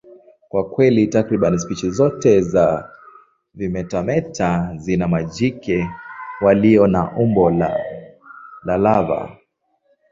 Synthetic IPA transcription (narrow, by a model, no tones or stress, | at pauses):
kwakwɛlitakɾiɓanispit͡ʃizɔtɛza | vimɛtamɛtʰazinamad͡ʒikɛwaliɔnaʔumbɔla | lalava̰